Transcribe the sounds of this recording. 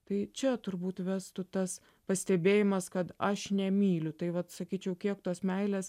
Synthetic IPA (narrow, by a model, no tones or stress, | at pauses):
t̪ɐɪt͡ʃʲɛt̪ʊɾbuːt̪ʋʲæːst̪ʊt̪ɐs | pɐsʲt̪ʲɛbʲeːjɪmɐskɐt̪ɐʃnʲɛmʲiːlʲʊt̪ɐɪʋɐt̪sɐkʲiːt͡ʃʲɛʊkʲiɛkt̪oːsmʲɛɪlʲɛs